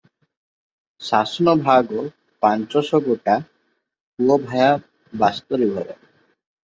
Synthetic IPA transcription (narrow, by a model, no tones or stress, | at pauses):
sasnobʱaɡo | pant͡ɕɔʃoɡoʈa | puobʱaea | bast̪oɾibʱɔɾe